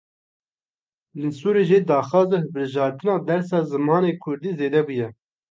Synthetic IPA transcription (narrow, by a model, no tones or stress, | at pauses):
lɨnsuːɾeʒed̪ɑːxɑːzehɨbɨɾʒɑːɾt̪ɨnɑːd̪ɛɾsɑːzɨmɑːneːkʰʊɾd̪iːzeːd̪ɛbujɛ